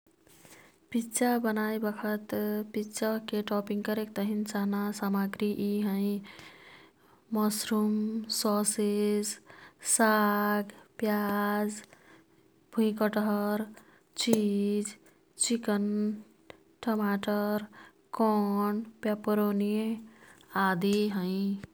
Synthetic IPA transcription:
pitːt͡ʃabənajbəkʰət̪pitːt͡ʃakeʈɔpiŋɡkəɾek̚t̪əɦint͡ʃaɦnasamaɡɾiʔiɦə̃j | mɔsɾumsɔsessaɡpjad͡ʒ | b̥ʱũĩkəʈɦɾ | t͡ʃid͡ʒ | t͡ʃikən | ʈɔmaʈəɾ | kɔɳpjapɾonie | ad̪iɦə̃ĩ

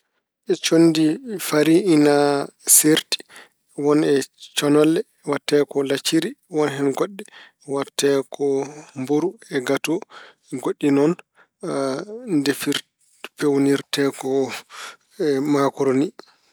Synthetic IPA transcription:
ʔɛt͡ʃonːdifaɾiinaseɾti̥ | wɔnɛt͡ʃɔnɔlːɛ | watːɛkɔlat͡ʃːiɾiwɔnɦɛnɡoɗːɛ | watːɛkɔmboɾuɛɡatɔ | ɡoɗːinɔn | ndefiɾ | fewniɾtɛkɔ | makɔɾoni

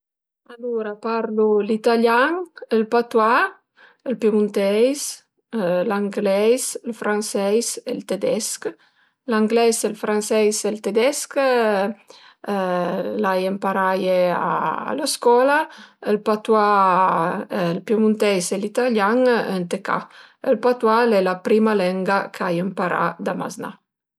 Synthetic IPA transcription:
aluɾapaɾlulit̪aljaŋəlpat̪wa | əlpjamunt̪ɛjs | laŋɡlɛjsəlfɾʔansɛjselt̪ed̪ɛsk | laŋɡlɛselfɾansɛjselt̪ed̪ɛsk | lajempaɾajea̰a̰ləskɔlaelpat̪wa | lpjəmunt̪ɛjselit̪aljaŋənt̪eka̰ | əlpat̪walɛlapɾimalɛŋɡakʰajəmpaɾa̰d̪ama̰zna̰

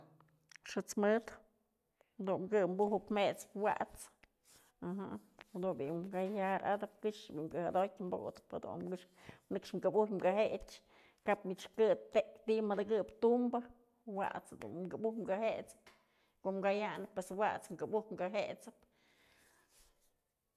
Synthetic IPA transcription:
ʂɨt͡smɨt̪ | d̪unmkɨmbuhɨpmet͡spwa̰ʔt͡s | aɦahad̪unbiʔɡajhaɾa̰d̪ɨp̚kɨʂbiʔmkɨhad̪ojtʲmbo̰d̪ɨ̥pha̰d̪ṵnkɨʂ | nɨkʂmɡɨbuhmɡaɦet͡ʃ | kapmit͡ʃkɨt̪t̪ekt̪iʔmɨd̪ɨkɨpt̪umbɨ | wa̰ʔt͡shad̪ṵnɡɨbuhmɡahet͡sɨ̥p | koʔmɡajanɨpːweswaʔt͡sŋɡɨbuhmɡaɦet͡sɨ̥p

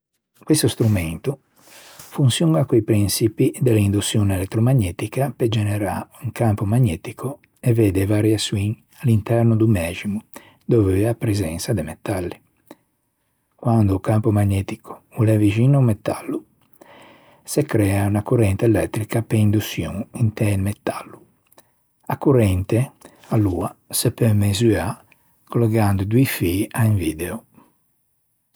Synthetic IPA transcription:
kwist̪ost̪ɾumɛnt̪u | funsjuŋɡakoipɾinsipid̪eleind̪usːjoːneɛlɛt̪ːɾomaɲːɛt̪ikaped͡ʒɛnɛɾauŋkampomaɲːɛːt̪ikʰo | ɛvɛːd̪evaɾjaswiŋ | alːint̪ɛɾnod̪umɛːd͡ʒimu | d̪oveapːɾɛzɛnsad̪emɛt̪ːalːi | kwand̪okampomaɲːɛːt̪ikʰo̥ulɛviʒinoumɛt̪alːu | sɛkɾɛaunakuɾɛnt̪eɛlɛt̪ːɾikapɛind̪usjṵ̃ŋint̪ɛlmɛt̪ːalːu | akːurɛnt̪e | aluːasɛpɛmezya | kolɛɡand̪ud̪uifiaiɱviːd̪ɛo

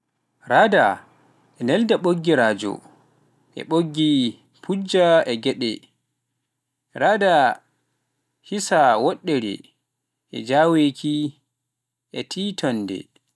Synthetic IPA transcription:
ɾada | ʔɛnɛldaɓoɡːiɾaːd͡ʒɔ̰ | ʔɛ̰ɓoɡːi | pʰud͡ʒaɛɡɛɗɛ̰ | ɾada | hisawɔɗːɛɾɛ̰ | ʔɛ̰d͡ʒaːwekʰi | ʔɛtʰiːtɔndɛ̰

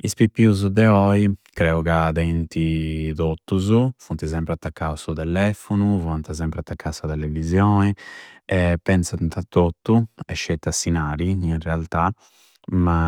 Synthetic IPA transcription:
ispipːiuzud̪ɛɔikɾɛuɣad̪ɛnt̪iðot̪ːuzufunt̪izɛmpɾɛat̪ːakːawsut̪ɛlɛfunuvɔnt̪azɛmpɾɛat̪ːakʰːasat̪ɛlɛvizjɔːniɛpːɛnsant̪at̪ːot̪ːuɛ̰ʃːɛt̪ːasinaːɾiinrɛalt̪a | ma

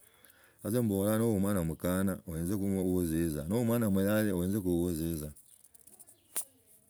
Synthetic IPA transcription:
azembolanowumwanamukanaoweːnzekuwuziza̰nowumwanamujaleoweːnzekuwuziza

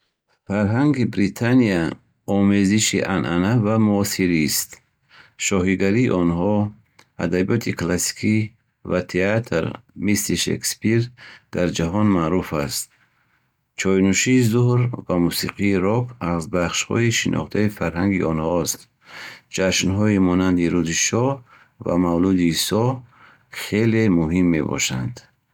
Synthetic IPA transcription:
faɾɦaŋɡibɾit̪ʰania | ɔmeziʃiʔanʔa̰navamuɔsiɾist̪ | ʃɔɦiɡaɾiːʔɔnɦɔ | ad̪abijɔt̪ʰikʰlasi̥kʰi | vat̪ʰeat̪ʰɾmisliʃḛkspiɾd̪̥aɾd͡ʒaɦɔnmaɾufast̪̚ | t͡ʃʰɔjnuʃiːzuhɾvamusiqʰiːɾɔkʰazbaχʃhɔ̰iʃinʔɔ̰χt̪ʰaifaɾɦaŋɡiʔɔnhɔst̪ | d͡ʒaʃnɦɔimɔnand̪iɾuziʃɔ | va̰mavlud̪isɔ | χelemuɦimːe̞bɔ̰ʃa̰nd̪̥

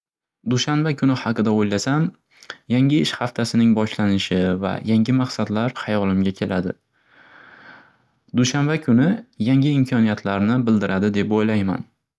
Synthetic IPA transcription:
d̪ʊʃanbakʰʊnɪhɑqɨd̪aojlasam | jaŋʲɪɪʃhɑft̪ʰasɪnɪŋbɒʃlanɪʃɪva̰jaŋɡʲɪmɑqsad̪laɾhɑjɒlɪmɡʲakʲʰe̞lʔad̪ɪ̰ | d̪uʃanbakʲʰʊnɪjaŋʲɪɪmkʲʰɒnijat̪ʰlaɾnɪbɪld̪ɪɾʔad̪ɪd̪epojlajma̰n

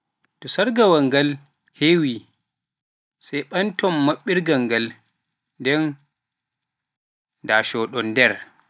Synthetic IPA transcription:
tɔsaɾɡawaŋɡal | hewi | sajɓantɔmːaɓːiɾɡaŋɡal | ndɛn | daːʃɔɗɔndɛɾ

